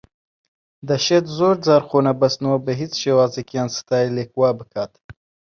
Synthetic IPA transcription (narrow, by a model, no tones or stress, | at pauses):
d̪ɐʃet̪zoːɾd͡zaːɾxoːnɐbɐst̪nuwɐbɨɦit͡sʃewaːzekjɑːnsɨ̥t̪ɑːilekwɑːbɨkʰaːt̪